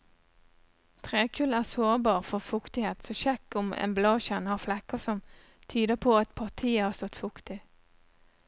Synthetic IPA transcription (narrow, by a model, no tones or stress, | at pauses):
t̪ʰʁeːkʰʉːlæːsoːʁbɑːʁfɔʁfʊkt̪ɪheːt̪sɔʃɛkːʊmḛnblɑːʃɛnhɑːʁflɛkːəsɔm | t̪ʰyːd̪əpʰoːɑt̪pʰɑʁt̪ʰiːəhɑːst̪ɔt̪fʊkt̪ɪ